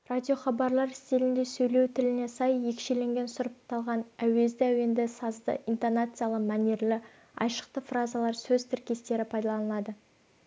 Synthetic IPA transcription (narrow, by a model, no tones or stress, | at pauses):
radʲio̞χɑbɑɾlˠɑɾɪst̪ilɪnd̪e̞sɵjle̞wt̪ʰɪlɪne̞sɑjje̞kʃe̞le̞ŋɡʲe̞nsʊɾəp̚t̪ʰːɑlˠʁɑnæwe̞zd̪ɪæwe̞nd̪esɑzd̪ə̰int̪onat̪sɨjalˠəqmɑne̞ɾlɪ | ɑ̰jʃə̥qt̪əfrazalˠɑɾsɵzt̪ʰɪɾkʲe̞st̪e̞ɾɪpʰɑjd̪ɑlˠɑnəlˠɑd̪ə